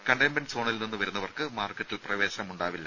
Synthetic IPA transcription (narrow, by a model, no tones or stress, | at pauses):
kɐɳɖembɐnso̞ːɳilninːɨʋɐɾunːɐʋɐrkɨmaːrkːɐʈːilprɐʋe̞ːɕɐɐmuɳɖaːʋilːɐ